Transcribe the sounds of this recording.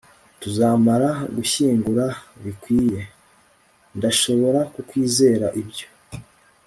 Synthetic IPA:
tuzaːmaɾaɡuçiːŋɡuɾaβikwiːje̞ | ndaʃo̞βo̞ɾakukwiːze̞ːɾaʔibɟo̞̥

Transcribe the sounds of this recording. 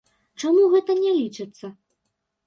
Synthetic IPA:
t͡ʂamuɣɛt̪ɐnʲɛlʲit͡ʂɨt̪sːɐ

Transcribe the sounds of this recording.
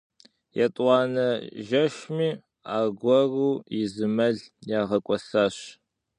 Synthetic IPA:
jɛtʼwɑːnɐʒɐʃmiː | a̰ːɡʷɔruːizɨmɐɮjaːʁɐkʷʼɔsaːɕ

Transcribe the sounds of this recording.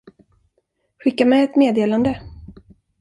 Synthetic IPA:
ɧɪkːamɛɛt̪meːd̪eːland̪ə

